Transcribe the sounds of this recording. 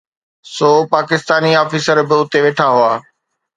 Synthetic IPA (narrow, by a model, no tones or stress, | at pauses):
soːpaːkɪst̪aːniɔːfiːsəɾbɪʊt̪eʋeːʈʰaɦʊaː